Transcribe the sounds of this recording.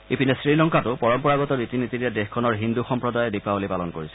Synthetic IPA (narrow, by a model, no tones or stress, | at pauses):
ipinɛsɹilɔŋkatʊpɔɹɔmpɔɹaɡɔtɔnitinititɛdexkʰːɔnɔɹɦinduxɔmpɹɔdajɛdipabolipalɔnkoɹisɛ̥